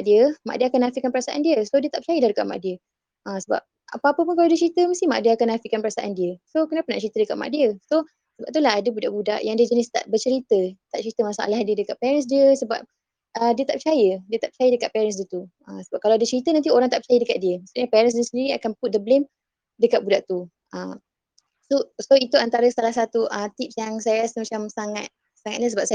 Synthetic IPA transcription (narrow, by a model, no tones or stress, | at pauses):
ʔdiəma̰ʔdiəakanafikanpəɾasaʔandiəsodiət̪aʔpə̥t͡ʃajədahdəkat̪̚ma̰ʔdiə | ʔəsəba̰p̚ | a̰paːpəpunkalawdiət͡ʃəɾit̪əməst̪ima̰ʔdiəakanafiʔkanpəɾasaʔa̰ndiəsokənapanaʔt͡ʃəɾit̪ədəkat̪ma̰ʔdiəso | səbap̚t̪̬ulaɦadəbudaʔbuda̰ʔjaŋdiəd͡ʒənɪst̪a̰ʔbət͡ʃəɾit̪ət̪aʔ̚t͡ʃəɾit̪əmasaʔa̰lahdiədəkaʔ̪̚pɛɾəns̬diəsəba̰p̚ | ədiət̪aʔpət͡ʃajədiət̪aʔpə̥t͡ʃajədəkat̪̚pɛɾənsdiət̪u | əmsəbap̚kalawadiət͡ʃəɾit̪ənant̪̬ioɾaŋt̪aʔpət͡ʃajədəkat̪̚diəmasuɲəpɛɾənsəsəndiɾiakanput̪̚dəblem | dəkat̪̚budaʔt̪u | əm | sosoit̪uant̪aɾəsalahsat̪uʔəmt̪ip̚sjaŋsajəɾasəmat͡ʃamsaŋat̪̚ | saŋa̰t̪̚ɲasəbapsa